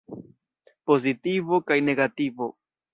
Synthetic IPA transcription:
po̞zitivo̞kajne̞ɡativo

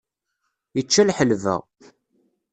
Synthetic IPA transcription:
jət͡ʃːælħəlvə̰ʁ

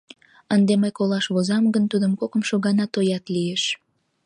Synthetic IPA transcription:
ənd̪eməjkolɑʃβozɑmɡənt̪ud̪əmkokəmʃoɣɑnɑt̪ojɑt̪lieʃ

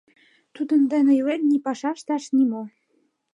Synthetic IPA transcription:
t̪ud̪ə̆nd̪ænɤ̆jlennipɑʃɑʃt̪ɑʃnimo

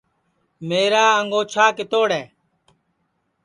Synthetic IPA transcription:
meːɾaːəŋɡoːt͡ʃʰaːkɪt̪oːɽɛː

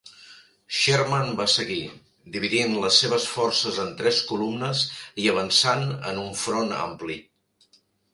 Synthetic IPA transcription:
ʃɛɾmanbasəɣi | d̪iβiðinləsːeβəsfɔrsəzənt̪ɾɛskulumnəziəβənsanə̰nuɱfɾona̰mpli

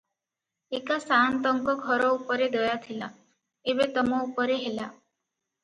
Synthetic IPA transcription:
ekasant̪ɔŋkɔɡʱɔɾɔupɔɾed̪ɔjat̪ʰila | ebet̪ɔmɔupɔɾeɦela

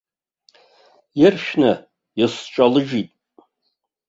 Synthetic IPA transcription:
jɪrʃᶣnɨ | jisʈ͡ʂʼalɨʒitʼ

